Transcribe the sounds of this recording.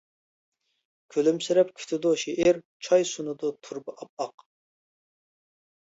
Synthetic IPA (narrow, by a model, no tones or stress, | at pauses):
kʲʰølymsɪɾɛp̚kʲʰy̥t̪ʰɪd̪uʃeʔɪɾ | t͡ʃʰɑjsunɨd̪ut̪ʰuɾbɨʔɑp̚ɑq